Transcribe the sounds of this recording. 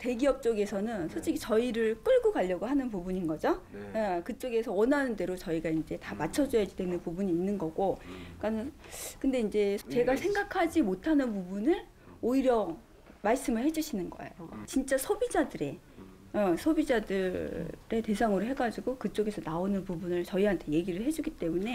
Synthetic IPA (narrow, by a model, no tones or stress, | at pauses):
te̞ɡiʌp̚t͡ɕ͈oɡe̞sʰʌnɯnsʰoɕikʰit͡ɕʌiɾɯɭk͈ɯɭɡoɡaʎːʌɡoɦanɯnpubuɲinɡʌd͡ʑoekɯt͡ɕ͈oɡe̞sʰʌwʌnanɯnde̞ɾot͡ɕʌiɡaind͡ʑe̞tamat͡ɕʰʌd͡ʑʌjaɡidwe̞nɯnpubuɲiːnːɯnɡʌɡokanɯkɯnde̞ind͡ʑe̞t͡ɕe̞ɡasʰe̞ŋɡakʰad͡ʑimotʰanɯnpubunɯɾ | oiɾjʌ | maɭs͈ɯmɯɭhe̞d͡ʑuɕʰinɯnɡʌ̰ḛjot͡ɕint͡ɕ͈asʰobid͡ʑadɯɾe̞ | ʌsʰobid͡ʑadɯɾe̞te̞sʰaŋɯɾoɦe̞ɡad͡ʑiɡokɯt͡ɕ͈oɡe̞sʰʌnaonɯnpubunɯɭt͡ɕʌiɦantʰe̞je̞ɡiɾɯɭɦe̞d͡ʑuɡit͈e̞mune̞